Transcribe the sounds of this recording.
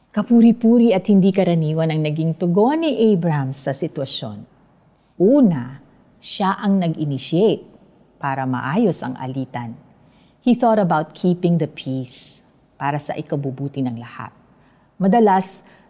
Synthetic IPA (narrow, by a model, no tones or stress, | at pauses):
kɐpuːɾipuːɾiɐt̪̚hɪnd̪ikɐɾɐniːwɐnɐŋnɐɡiŋt̪ʊɡo̞niʔejbɹɐmsɐsɪt̪wɐʃo̰n | ʔuːnɐ | ʃaʔɐŋnɐɡɪnɪʃiejt̪̚ | paːɾɐmɐ̰ʔaːjo̞sɐ̰ŋʔɐ̰liːt̪ɐn | hiθot̪ɐbawt̪̚kʰipɪŋd̪ɐpʰis | paːɾɐsɐ̰ʔɪkɐbubuːt̪ɪnɐŋlɐha̰t̪̚ | mɐd̪ɐlas